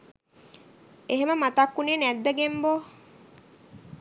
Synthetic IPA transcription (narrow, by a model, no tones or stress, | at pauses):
eɦeməmat̪akːuneːnæd̪ːəɡembo